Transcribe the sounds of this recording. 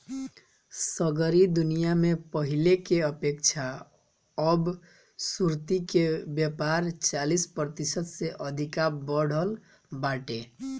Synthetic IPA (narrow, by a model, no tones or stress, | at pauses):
səɡəɾid̪unijamepəɦilekeəpekt͡ʃʰa | əb | suɾt̪ikebjəpaɾt͡ʃalispɾət̪isət̪seʔəd̪ʱikabəɽ̤əl | baʈe